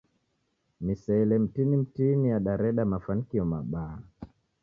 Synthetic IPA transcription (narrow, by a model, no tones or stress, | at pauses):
misɛɛlɛm̩tinim̩tinijaɗaɾɛɗamafanikiɔmaɓaː